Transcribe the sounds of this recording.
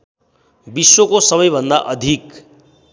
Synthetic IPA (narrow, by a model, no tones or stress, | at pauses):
biswokosʌmʌjbʱʌnd̪aʔʌd̪ʱik